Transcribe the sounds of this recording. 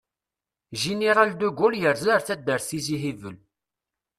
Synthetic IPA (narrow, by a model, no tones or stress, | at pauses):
ʒiniɾˤald̪uɡuljəɾzləɾθæd̪əɾθiziɦivəl